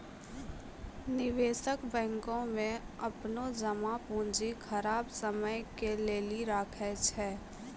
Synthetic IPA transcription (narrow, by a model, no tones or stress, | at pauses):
nɪʋeːʃəkbɛ̃ːŋkõmẽɐpnod͡ʒɐmapũːnd͡ʒixʰɐɾaːbsəməjkeleːliɾaːkʰɛt͡ʃʰɛː